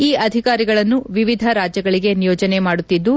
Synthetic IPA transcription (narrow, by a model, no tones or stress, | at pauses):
iːɐd̪ʱikaːɾiɡɐɭɐnːuʋiʋid̪ʱɐɾaːd͡ʒjɐɡɐɭiɡe̞nijoːd͡ʒɐne̞maːɽut̪ːid̪ːu